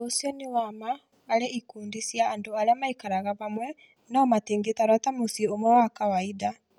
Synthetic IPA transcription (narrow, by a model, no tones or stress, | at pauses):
osjɔnewamaː | ɾeikuːndisjaːndoaɾeamaikaɾaɣaβamwɛ | naɔmatiːŋɡetaɾwatamosiomwɛwakawaida